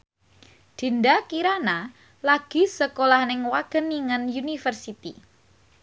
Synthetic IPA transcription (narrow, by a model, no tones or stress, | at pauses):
d̪̥i̤ndakiɾana | laɡ̥i̤səkolahnɪŋwaɡ̥ə̤nːiŋənjunifərsit̪ḭ